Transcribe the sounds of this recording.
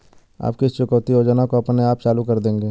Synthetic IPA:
a̰ːp̚keɪst͡ʃʊkəʋt̪ioːd͡ʒənakoɐpneaːp̚t͡ʃaːlukɐɾd̪ẽːŋɡeː

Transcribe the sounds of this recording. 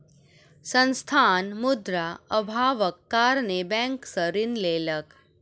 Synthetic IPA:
sə̃nst̪ʰaːnmʊd̪ɾaəbʱaːʋəkːaːɾnebɛ̃ːŋksə̃ɾɪnleːlək

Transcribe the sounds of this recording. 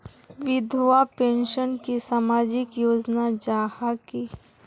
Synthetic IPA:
ʋɪd̪ʱʋapẽːnʃənkisamaːd͡ʒɪkjoːd͡ʒnad͡ʒaːhaki

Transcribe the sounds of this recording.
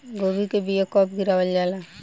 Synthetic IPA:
ɡoːbikebijakɔːpɡɪɾaːʋəld͡ʒala

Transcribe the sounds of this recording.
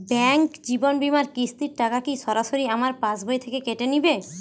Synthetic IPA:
bɛŋkd͡ʑibonbimaɾkist̪iɾʈakakiʃɔɾaʃoɾiamaɾpãsbʱojt̪ʰekekeʈenibe

